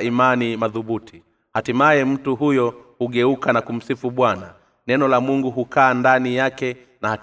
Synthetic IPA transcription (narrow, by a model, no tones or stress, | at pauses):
imanimaðuɓutʰi | hatimajɛm̩tuɦujɔhuɠɛukanakum̩sifuɓwana | nɛnɔlamuŋɡuɦukaːndanijakɛ | naha